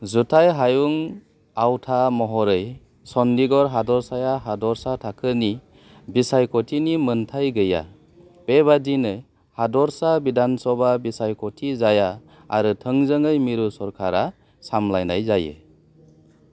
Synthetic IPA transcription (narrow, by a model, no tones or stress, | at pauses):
zutʰajɦajuŋ | awtʰamɔɦɔɾɯj | sɔndiɡɔɾɦadɔɾsajaɦadɔɾsatʰakʰɯni | bisajkʰɔtʰinimɯntʰajɡɯja̰ | b̥eβadinɯ | hadɔɾsabidansɔbabisajkʰɔtʰizaja̰ː | ɾɯtʰɯŋzɯŋɯjmiɾusɔɾkʰaɾa | samlajna̰jzajḛ